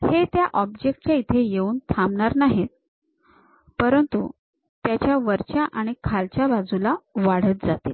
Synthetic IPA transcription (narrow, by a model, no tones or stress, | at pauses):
het̪jaʔɔbd͡ʑek̚ʈt͡ɕjait̪ʰejeuːnt̪ʰamɳaɾnaɦet̪̚ | pəɾənt̪ṵ | t̪jat͡ɕjaʋəɾt͡ɕjaʔaɽ̃ikʰalt͡ɕjabad͡zulaʋaɽ̤ət̪̚d͡zat̪ḛ